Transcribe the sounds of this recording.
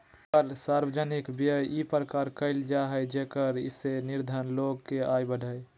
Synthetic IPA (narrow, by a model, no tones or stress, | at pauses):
əɾsaːɾwəd͡ʒənɪkbjəjipɾəkaːɾkəɪld͡ʒaɦəjd͡ʒekəɾɪ̰senɪɾd̪ʱənloɡkeaːjbəɖʱəj